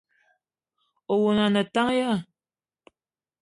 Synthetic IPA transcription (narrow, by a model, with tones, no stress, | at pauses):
o˨wo˨na˨na˨t̪a˦ŋja˦